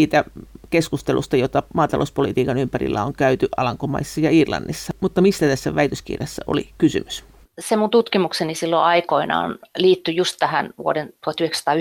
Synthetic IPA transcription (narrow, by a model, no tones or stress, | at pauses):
iːt̪ækeskust̪elṵst̪ɑjot̪ɑmɑːt̪ɑlo̰uspolit̪iːkɑnympærḭlːæ̰oŋkæyt̪yʔɑlɑŋkomɑ̰isːɑjɑirlɑ̰nːisːɑmut̪ːɑmisːæt̪æsːæʋæit̪øskḭrjɑsːæʔo̰lḭkysy̰mys | semunt̪ut̪kimuksenisilːo̰ʔɑikoinɑ̰o̰nliːt̪ːyjust̪t̪æhænʋṵodent̪uhɑt̪ːyhekst̪ɑː